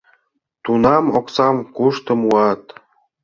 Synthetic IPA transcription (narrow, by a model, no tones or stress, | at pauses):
t̪unɑmoksɑmkuʃt̪ə̆muɑt̪